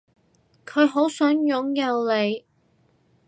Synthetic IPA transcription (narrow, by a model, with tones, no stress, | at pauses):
kʰɵ˨˧ɥɦo˨˥wsœː˨˥ŋjʊ˨˥ŋjɐ˨˧wle˨˧j